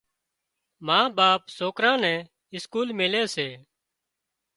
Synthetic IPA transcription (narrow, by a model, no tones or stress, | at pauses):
mãːbaːpsoːkɾãːnɛ̃ː | ɪskuːlmɪleːseː